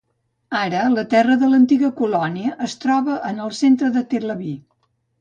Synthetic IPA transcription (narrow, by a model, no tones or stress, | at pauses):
aɾələt̪ɛrəðələnt̪iɣəkulɔniəʔːst̪ɾɔβəʔənəlˠsent̪ɾəðət̪eləβi